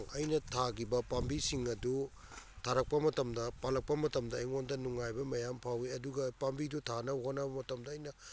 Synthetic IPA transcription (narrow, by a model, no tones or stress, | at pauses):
ŋʔɐjnɐtʰaɡibɐpambisiŋɐdu | tʰaɾɐk̚pɐmɐtɐmdɐpalɐk̚pɐmɐtɐmdɐiŋondɐnuŋajbɐmɐjampʰawiɐduɡɐpambidutʰanɐɦonɐbɐmɐtɐmdɐɐjnɐ